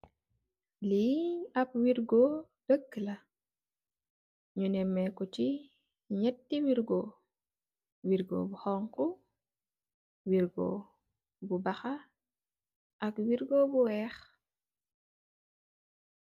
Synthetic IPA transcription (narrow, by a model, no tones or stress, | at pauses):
liɐp̚wiɾɡo | dəkːəla | ɲunɛmːɛkɔt͡ʃi | ɲɛtːiwiɾɡo | wiɾɡo̰buxɔŋku | wiɾɡo̰ | bubɐxa | ʔɐkwiɾɡobuwɛːx